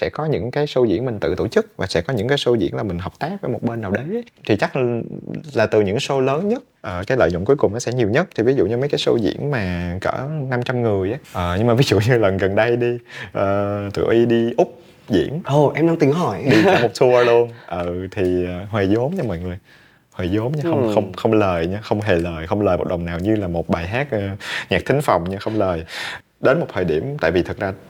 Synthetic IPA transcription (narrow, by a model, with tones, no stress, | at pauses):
sɛ̰˧˥kɔ˨˦ɲɨ̰˧˥ŋkaː˨˦jso˧zḭ˧˥ənmï˨˩ŋ̟t̪ɨ̰˧˨t̪o˧˩t͡ɕɨ˦˥k̚vaː˨˩sɛ̰˧˥kɔ˨˦ɲɨ̰˧˥ŋkaː˨˦jso˧zḭ˧˥ənlaː˨˩mï˨˩ŋ̟ɦə˨˩p̚t̪aː˦˥k̚vəː˨˦jmo˨˩t̚ɓe˧nːaː˨˩wɗə˨˦jt̪ʰi˨˩t͡ɕa˦˥k̚ | laː˨˩t̪ɨ˨˩ɲɨ̰˧˥ŋso˧ləː˨˦nɲə˦˥t̚ʔəː˨˩kaː˨˦jlə̰ː˧˨jzo̰˧˨ŋ͡mku˨˦jkʊ˨˩ŋ͡mnɔ˨˦sɛ̰˧˥ɲi˨˩wɲə˦˥t̚t̪ʰi˨˩vi˨˦zṵ˧˨ɲɨ˧mə˨˦jkaː˨˦jso̰˧zḭ˧˥ənmaː˨˩kə̰ː˧˩na˧mt͡ɕa˧mŋɨ˨˩əjʔaː˦ʔəː˨˩ɲɨ˧ŋmaː˨˩vi˨˦zṵ˧˨ɲɨ˧lə˨˩nɣə˨˩nɗə˧jɗi˧ʔəː˨˩t̪ɨ̰˧˩ʔi˧ɗi˧ʔʊ˦˥k͡p̚ | zḭ˧˥ənʔə˨˩ʔɛ˧mɗaː˧ŋt̪i˨˩əŋɦɔ˧˩jɗi˧a˧˩mo˨˩t̚su˧ə˧lu˧ənʔəː˨˩t̪ʰi˨˩əː˨˩ɦwe˨˩zo˨˦mɲa˧mɔ̰˧˨jŋɨ˨˩əj | hwe˨˩zo˨˦mɲa˧xə˧ŋ͡mxə˧wŋ͡mxə˧wŋ͡mləː˨˩jɲa˧xə˧wŋ͡mɦe˨˩ləː˨˩jxə˧wŋ͡mləː˨˩mo˨˩ɗə˨˩wŋ͡mnaː˨˩wɲɨ˧laː˨˩mo˨˩t̚ɓaː˨˩jɦaː˦˥t̚əː˨ɲaː˨˩k̚t̪ï˨˦ŋ̟fa˨˩wŋ͡mɲɨ˧xə˧wŋ͡mləː˨˩j | ɗe˨˦nmo˨˩t̚t̪ʰəː˨˩ɗi˧˩əmt̪a̰ː˧˨vi˨˩t̪ʰə˨˩t̚zaː˧